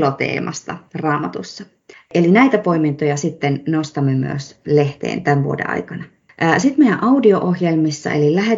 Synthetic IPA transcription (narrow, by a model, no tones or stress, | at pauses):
lot̪ḛːmʔɑ̰st̪ɑ̰rɑːmɑt̪usːɑ | elinæit̪æpoimint̪ojɑsit̪ːennost̪ɑmːemy̰ø̰sle̞ht̪ḛːnt̪æʋʋṵodḛʔʔɑ̰jkɑnɑ | ʔːsit̪mejæʔɑudio̞ʔohjelmisːɑ̰ʔḛlilæɦe